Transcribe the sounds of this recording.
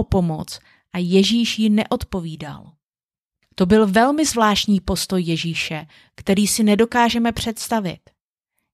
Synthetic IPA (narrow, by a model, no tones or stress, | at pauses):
opo̞mot͡s | ʔajɛʒiːʃjɪnɛʔo̞t̪po̞viːda̰l | t̪o̞bɪlvɛlmɪzvlaːʃcɲiːpo̞st̪o̞jːɛʒiːʃɛ | kt̪ɛɾiːsɪnɛdo̞kaːʒɛmɛpr̝̥ɛt̪st̪avɪ̰t̪